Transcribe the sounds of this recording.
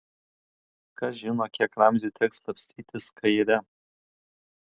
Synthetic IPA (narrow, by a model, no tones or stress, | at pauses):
kʰaʒɪnoakʲʰɛkramzʲutʰɛkst̪lˠɐpʲsʲt̪ʰʲiːtʰʲɪskʰɐjɾɛ